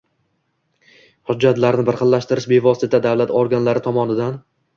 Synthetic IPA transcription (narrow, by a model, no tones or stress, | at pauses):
hʊd͡ʒːat̪laɾnɪbɪɾqɨllːaʃt̪ɪɾɪʃbe̞vɒsɪt̪ad̪avlat̪ʰɒɾɡʲanlaɾɪt̪ʰɒmɒnɪd̪an